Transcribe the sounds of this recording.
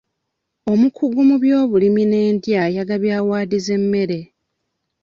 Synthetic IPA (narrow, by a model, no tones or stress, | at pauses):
o̞mukʰuɡumuβjo̞ːβulimine̞ːndjajaɡaβjaːwaːdize̞mːe̞ɾe̞